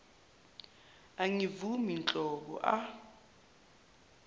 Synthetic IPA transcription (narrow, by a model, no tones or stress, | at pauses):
aŋivumint͡ɬʼɔɓɔ̰ʔa